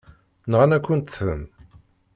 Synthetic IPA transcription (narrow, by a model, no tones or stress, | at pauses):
nʁaænækʷːənt̪θə̰m